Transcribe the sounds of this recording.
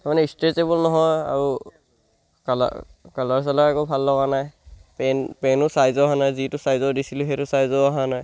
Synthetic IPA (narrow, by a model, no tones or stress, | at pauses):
taɹmanɛistetebɔlnɔɦɔja̰ɹu | kal̰kalɔɹs̬alakɛkobʱalːɔɡanajpɛnpɛnʊsajzɔaɦanajzitʊsajzɔdisiluxetʊsajzɔaɦanaj